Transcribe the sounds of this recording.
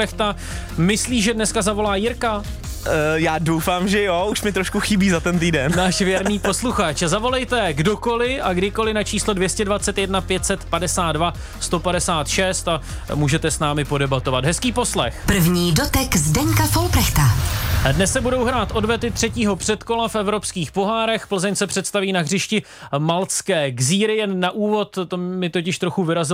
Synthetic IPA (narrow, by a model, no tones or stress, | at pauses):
ɛxt̪a | mɪsliːʒɛdnɛskazavo̞laːjɪɾka | jaːdowfaːmʒɛjouʃmɪt̪ɾoʃkuxɪbiːzat̪ɛnt̪̬iːdɛnnaːʃvjɛɾniːpo̞sluxat͡ʃzavo̞lɛjt̪ɛɡdo̞ko̞lɪʔaɡdɪko̞lɪnat͡ʃiːslodvjɛscɛdvat̪t͡sɛt̪jɛdnapjɛt̪sɛt̪padɛsaːt̪dva | st̪o̞padɛsaːt̪ʃɛst̪a | muːʒɛt̪ɛsnaːmɪpo̞dɛbat̪o̞vat̪ɦɛskiːpo̞slɛxpr̩vɲiːdot̪ɛkzdɛɲkafolpɾɛxt̪adnɛsːɛbudo̞wɦɾaːt̪ʔo̞dvɛt̪ɪt̪r̝̥ɛciːɦo̞pr̝̥ɛt̪ko̞lafɛvɾo̞pskiːxpo̞ɦaːɾɛxpl̩zɛɲsɛpr̝̥ɛt̪st̪aviːnaɦr̝ɪʃcɪ | malskɛːɡziːɾɪjɛnːaʔuːvo̞t̪t̪omɪt̪ocɪʃt̪ɾo̞xuvɪɾazɪ